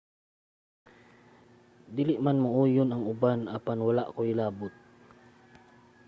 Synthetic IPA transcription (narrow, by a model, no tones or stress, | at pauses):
d̪iːlɪʔmanmauːjʊnaŋʊbanapanwalaʔkoɪlaːbʊt̪̚